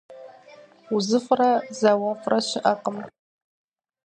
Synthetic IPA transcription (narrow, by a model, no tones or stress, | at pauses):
uzɨfrazawafʼraʃʷɪʔaqʼəm